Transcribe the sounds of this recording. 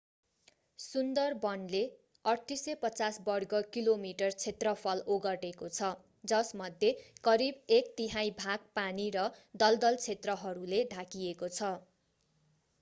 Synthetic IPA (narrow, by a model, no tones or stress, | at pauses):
sund̪ʌrbʌnle | ʌrt̪isʌjpʌt͡sasbʌrɡʌkilomiʈʌrt͡sʰet̪rʌpʰʌloɡʌʈekot͡sʰʌ | d͡zʌsmʌd̪ʱjekʌɾibek̚t̪iɦajbʱak̚paniɾʌd̪ʌld̪ʌlt͡sʰet̪rʌɦʌɾuleɖʱakiekot͡sʰʌ